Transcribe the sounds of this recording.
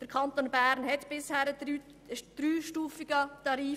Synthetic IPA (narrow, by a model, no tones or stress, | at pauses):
d̥əɾkʰɑnt̪oːnbæːɾnhɛtb̥ɪshæːɾədyː | d̥ɾyːʃtuːfiɡ̥ət̪ɑɾiː